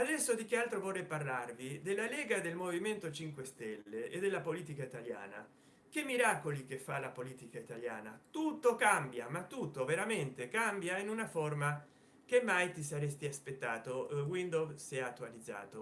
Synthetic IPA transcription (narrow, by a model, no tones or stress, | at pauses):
ad̪ɛsːod̪ik̟ealt̪ɾovorːɛjparlarvid̪elːalɛːɡad̪elmoviment̪ot͡ʃiŋkwest̪ɛlːeed̪ːelːapoliːt̪ikait̪alja̰ːna̰ | k̟emːiɾaːkolik̟efːalapoliːt̪ikait̪alja̰ːnat̪ut̪ːokambjamat̪ːut̪ːoveɾament̪ekambjainunaforma | k̟emːajt̪is̬aɾɛst̪iaspet̪ːaːt̪owind̪ofsɛat̪ːualid̪zːa̰ːt̪o